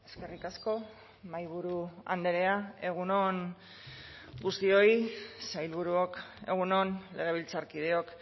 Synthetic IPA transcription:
e̞ske̞rikasko̞ | majβuɾua̰nd̪eɾe̞ae̞ɣ̞uno̞ŋ | ɡust̪io̞jsajlβuɾuoke̞̰ɣ̞uno̞nle̞ɣ̞e̞β̞ilt͡saɾkið̞e̞o̞k

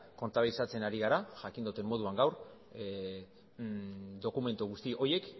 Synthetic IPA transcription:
ko̞nt̪aβilsat͡se̞naɾiɣaɾaʝakind̪ut̪e̞mmo̞ð̞uaŋɡawɾ | d̪o̞kume̞nt̪uɣust̪iʔo̞je̞k

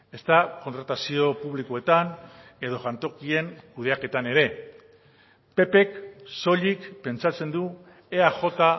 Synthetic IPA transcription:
e̞st̪ako̞nt̪ɾat̪asio̞puβlikoe̞t̪ane̞ðo̞ʝant̪o̞kie̞ŋkuð̞e̞ake̞t̪ane̞ɾe̞ | pe̞pe̞kso̞ʎikpe̞nt͡sat͡se̞nd̪u | e̞aʝo̞t̪a

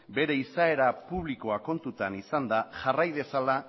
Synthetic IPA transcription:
be̞ɾe̞isae̞ɾapuβ̞liko̞ako̞nt̪ut̪anisand̪aʝarajðe̞sala

